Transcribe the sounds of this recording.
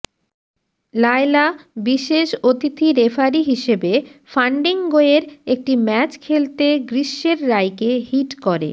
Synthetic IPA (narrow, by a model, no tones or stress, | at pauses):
lajlabiʃeʃot̪it̪ʰiɾefaɾiɦiʃebefaɳɖiŋɡoeɾek̚ʈimɛt͡ɕkʰelt̪eɡɾiʃːeɾːajkehiʈkɔɾḛ